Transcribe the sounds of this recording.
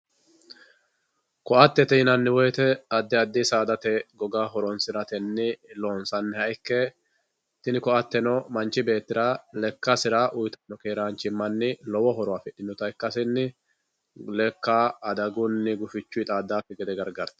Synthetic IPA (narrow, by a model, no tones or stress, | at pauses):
kɔʔɐt̪ːɛt̪ɛɪnɐnːɪwɔjt̪ɛɐd̪ːɛɐd̪ːɪsaːd̪ɐt̪ɛɡɔɡaːɦɔɾɔnsɪɾɐt̪ɛnːɪloːnsɐnːɪhɐɪkːɛ | t̪ɪnɪkɔʔɐt̪ːɛnɔmɐnt͡ʃːɪbe̞ːt̪ːɪɾaːlɛkːɐsɪɾaːʔʊjt̪ɐnːɔkʼeːɾaːnt͡ʃɪmːɐnːɪlɔwɔɦɔɾɔwaːfɛᶑɪnːʊt̪ɐɪkːɐsɪnːɪ | lɛkːaːd̪ɐɡʊnːɪɡʊfɪt͡ʃːʊɪt̪ʼaːd̪ːaːfɛɡɛd̪ɛɡɐɾɡɐɾt̪ɐ̥